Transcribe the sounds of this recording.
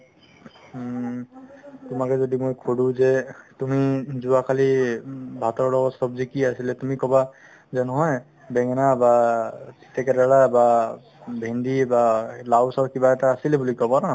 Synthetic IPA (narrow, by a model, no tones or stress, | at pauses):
t̪ʊmakɛzodimojkʰodũzɛtumizuakʰalibʱat̪ɔɹlɔɡɔtsɔbzikiasilɛt̪umikɔba | zɛnɔɦɔj | bɛŋnabasi̥t̪ɛkɛdaɹaba | bʱendibalawsɔɹkibaɛtaːsilɛbulikɔbana